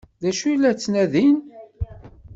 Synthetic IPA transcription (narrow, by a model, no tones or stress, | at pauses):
ðæʃujlːæt͡sːnæðin